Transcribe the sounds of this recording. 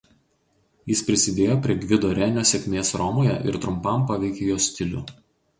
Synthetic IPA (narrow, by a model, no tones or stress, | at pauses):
jɪspʲɾʲɪsʲɪd̪ʲeːjoːpʲɾʲiɛɡʲʋʲɪd̪oːɾʲɛnʲoːsʲɛkʲmʲeːsɾɔmoːjɛ̰ʔɪ̰ɾt̪ɾʊmpɐmpɑʋʲɛɪkʲejoːsʲt̪ʲɪlʲṵː